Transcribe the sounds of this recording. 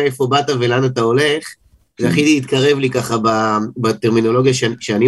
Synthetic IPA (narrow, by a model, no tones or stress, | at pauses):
aefo̞batave̞lanat̪ao̞le̞χ | zeaχidiːt̪kaʁe̞vlikaχababateʁmino̞lo̞ɡjaʃʃeani